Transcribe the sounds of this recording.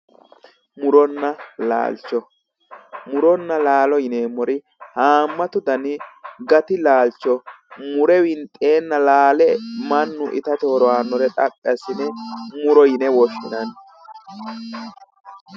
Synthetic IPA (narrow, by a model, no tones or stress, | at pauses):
mʊɾɔnːɐla̰ːlt͡ʃːɔ | mʊɾɔnːɐlaːlɔjɪneːmːɔɾɪ | haːmːɐt̪ʊd̪ɐnɪɡɐt̪ɪlaːlt͡ʃːɔ | mʊɾɛwɪnt̪ʼe̞ːnːɐlaːlɛmɐnːʊʔɪ̰t̪ɐt̪ɛhɔɾɔwaːnːɔɾɛt̪ʼɐpʼːɪɐsɪnɛmʊɾɔjɪnɛwɔʃːɪnɐn